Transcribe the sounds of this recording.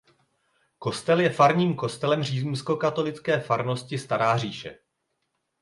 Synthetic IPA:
ko̞st̪ɛljɛfaɾɲiːmko̞st̪ɛlɛmr̝iːzumsko̞kat̪o̞lɪt͡skɛːfaɾno̞scɪst̪aɾaːr̝iːʃɛ̰

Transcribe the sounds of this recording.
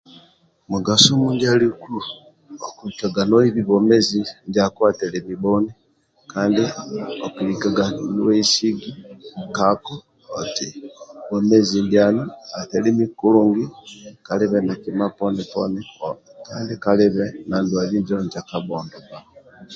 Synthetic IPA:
muɡasomuːndialiku | okulikaɡanwiβiβomezindakwaːtelemiβoni | kaːndiokulikaɡaniweisiɡikakoː | tiβomezindjaːniatelimikuluːŋɡikaliβenakimaponipo̰nikaːndikaliβenandwaβiɲd͡ʒoɲd͡ʒakaβoːndoβa

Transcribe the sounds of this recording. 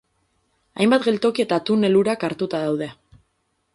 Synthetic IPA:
ajmbat̪ɡe̞lt̪o̞kie̞t̪at̪une̞luɾakaɾt̪ut̪að̞awðe̞

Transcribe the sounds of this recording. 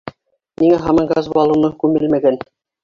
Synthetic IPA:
niŋæɦɑmɑŋɡɑzɑlˠɤ̆nɤkʉmɘlmæɡæn

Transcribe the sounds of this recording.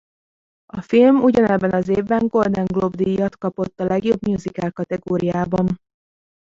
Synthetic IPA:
ɒfilmuɟɒnɛbːɛnɒzeːvbɛŋɡo̞rd̪ɛŋɡlobd̪ijɒt̪kɒpo̞t̪ːɒlɛɡjo̞bmjuːzikɛlkɒt̪ɛɡoːɾijaːbɒn

